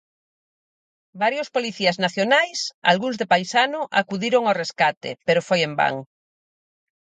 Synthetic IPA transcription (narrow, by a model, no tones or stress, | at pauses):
baɾjospoliθiaznaθjonajsa̰lɣuŋzðepajsanʊʔakuðiɾoŋawreskat̪ḛpeɾofojemba̰ŋ